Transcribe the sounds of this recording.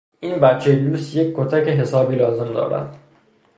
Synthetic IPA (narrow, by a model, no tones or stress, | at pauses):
ʔiːnbæt̪t͡ʃʰejluluːsjec̚ʲkʰːot̪ʰæceɦe̞sɒːbiːlɒːze̞md̪ɒ̰ːɾæ̰d̪̥